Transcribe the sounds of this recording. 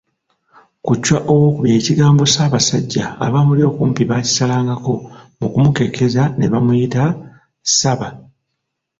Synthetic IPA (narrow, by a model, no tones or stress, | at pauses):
kucːwaʔo̞wo̞ːkuβje̞ːciɡaːmbo̞saːβasaɟːa̰ːβaːmuljo̞ːkuːmpiβaːci̥salaːŋɡako̞mukumuke̞kʰe̞zane̞βamujita | saβa